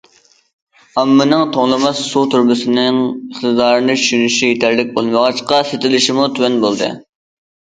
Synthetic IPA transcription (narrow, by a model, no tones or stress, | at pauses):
ɑmːɪnɨŋt̪ʰoŋlˠɨmɑssut̪ʰuɾbɪsɪnɪŋəχt̪ɨd̪ɑːɾɨnɨt͡ʃʰyʃynyʃijet̪ʰæɾlɪk̚ʲbolˠməʁɑʃqɑset̪ɪlɪʃimut̪ʰywɛnbolˠd̪ɨ̰